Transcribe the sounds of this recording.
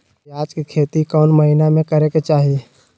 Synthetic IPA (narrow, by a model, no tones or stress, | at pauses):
aːd͡ʒkikʰeːt̪ikɔːnməɦinamẽkəɾeket͡ʃaːɦie